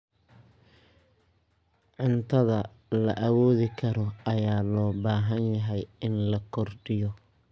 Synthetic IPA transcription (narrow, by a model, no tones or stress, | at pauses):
ʕʊnt̪ʰɐðɐ | lɐʔɐwɔːðɪkʰɐɾɔɐjaːlɔːbaːɦɐnjɐɦɛjɪnlɐkʰɔrɖɪjɔ